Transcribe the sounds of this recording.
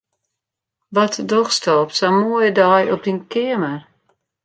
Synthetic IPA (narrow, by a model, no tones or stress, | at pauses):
ʋɔtʰdoxstɔːpsamojədɔjɔp̚dinkɪəmə